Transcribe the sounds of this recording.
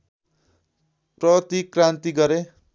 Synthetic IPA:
prʌt̪ikrãnt̪iɡʌɾe

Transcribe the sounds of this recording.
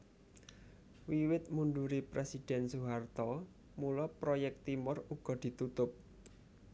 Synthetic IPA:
wiwɪt̪̚munɖuɾipɾʔesid̥ɛ̤nsuɦart̪ɔ | mulɔpɾojɛk̚t̪imʊruɡ̥ɔ̤d̪̥i̤t̪ut̪ʊp̚

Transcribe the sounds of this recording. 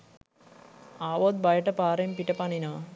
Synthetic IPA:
aːʋoːd̪̚bajɐʈːɐpaːɾempiʈːɐpanino

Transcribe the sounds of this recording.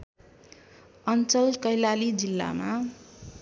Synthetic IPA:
ʌnt͡sʌlkʌjlalid͡zilːa̰ma

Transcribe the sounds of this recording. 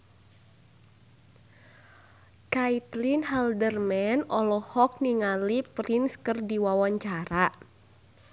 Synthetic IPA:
kait̪linɦɛldərmɛnɔlɔhɔk̚niŋalipɾinskɨrdiwawaɲt͡ʃaɾa

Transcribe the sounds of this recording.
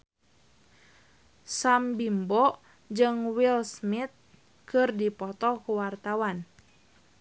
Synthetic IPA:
sambimbɔ | d͡ʒɨŋwilsmit̪̚ | kɨrdipɔt̪ɔkuwart̪awan

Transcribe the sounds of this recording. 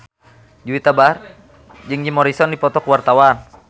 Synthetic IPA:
d͡ʒuwit̪abar | d͡ʒɨŋd͡ʒimɔɾisɔndipɔt̪ɔkwart̪awan

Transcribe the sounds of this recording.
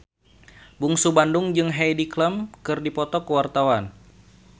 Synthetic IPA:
buŋsubandʊŋd͡ʒɨŋɦɛjdikləmkɨrdipɔt̪ɔkəwart̪awan

